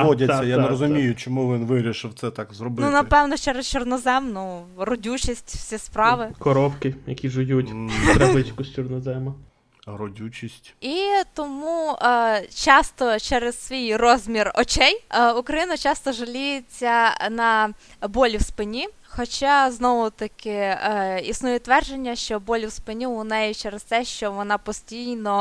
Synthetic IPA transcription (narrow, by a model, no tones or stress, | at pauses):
ɔdʲɐːɐjanɾɔzʊmʲijʊt͡ʃɔmuʋɪnʋɪɾʲiʃɪwt̪sɛt̪ɑkzɾɔbɪnʊnɐpɛwnɔt͡ʃɛɾest͡ʃɔrnɔzɛmnʊrɔdʲut͡ʃisʲtʲfsʲispɾɑʋɪkɔɾɔpkɪjɐkʲiʒɪjutʲt̪ɾɛɪt͡ʃkʊsʲt͡ʃɔrnɔzɛmɐ | ɾɔdʲut͡ʃʲisʲtʲit̪ɔmu | t͡ʃɑst̪ɔt͡ʃɛɾez̥sʋʲijrɔzʲmʲirɔt͡ʃɛjukɾɐjinɐt͡ʃɑst̪ɔʒɐlʲijet͡sʲːɐnɐ | bɔlʲiwspɪnʲi | xɔt͡ʃɑznɔʋʊt̪ɐkɪ | isnujɛt̪ːʋɛrd͡ʒenʲːɐʃt͡ʃɔbɔlʲiwspɪnʲiʊnɛjɛt͡ʃɛɾest̪ɛʃt͡ʃɔʋɔnɑpɔsʲtʲijnɔ